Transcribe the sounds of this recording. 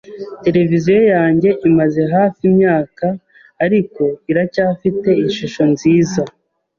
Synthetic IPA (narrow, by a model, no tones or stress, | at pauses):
te̞ɾe̞vizijo̞jaːɲɟe̞ʔimaze̞ɦaːfimɲaːkaː | ɾiko̞iɾacaːfite̞iɲʃuʃo̞nziːza